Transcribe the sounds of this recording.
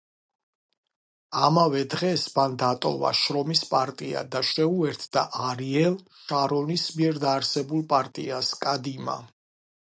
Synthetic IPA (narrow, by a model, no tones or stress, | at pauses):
amavɛd̪ʁɛsband̪at̪ʼɔ̰va̰ʃɾɔmispʼaɾt̪ʼia̰d̪aʃɛuɛɾt̪ʰd̪a̰ʔaɾiɛlˠ | ʃaɾɔnismiɛɾd̪aːɾsɛbulˠpʼaɾt̪ʼḭaskʼad̪ima̰